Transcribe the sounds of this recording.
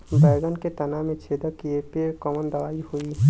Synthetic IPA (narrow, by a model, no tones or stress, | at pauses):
bɛːɡənket̪ɐnamẽt͡ʃʰeːd̪əkiepekɔmənd̪ɐʋaːihoi